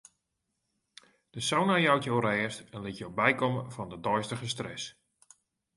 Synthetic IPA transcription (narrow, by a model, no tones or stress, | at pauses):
d̥əsownajawtjowrɛːstɛnlɪtjowbɛjkɔməvɔndədɔjstəɣəstrɛs